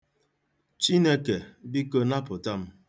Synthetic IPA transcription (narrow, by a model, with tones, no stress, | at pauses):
t͡ʃi˦ne˦ke˨bi˦ko˦na˦pʊ˨ta˦m̩˦